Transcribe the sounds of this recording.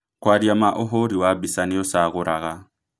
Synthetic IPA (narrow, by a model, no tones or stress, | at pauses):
kwaɾjamaʔɔɦoɾiwabisaniɔsaɣʊɾʔaɣa